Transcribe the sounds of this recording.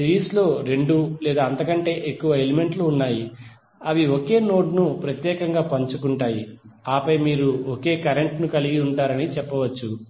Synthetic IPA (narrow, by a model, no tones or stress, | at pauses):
siɾiːslo̞ːɾe̞ɳɖulɛːd̪aːɐnt̪ɐkɐɳʈe̞ːʔekːuʋɐeleme̞ɳʈluːnːaːji | ɐʋioke̞ːno̞ːɖnupɾɐt̪jɛːkɐŋɡaːpɐɲt͡ʃukuɳʈaːjiaːpɐjmiːɾuoke̞ːkɐɾe̞ɳʈnukɐliɡiuɳʈaːɾɐnit͡ʃɛpːɐʋɐt͡ʃːu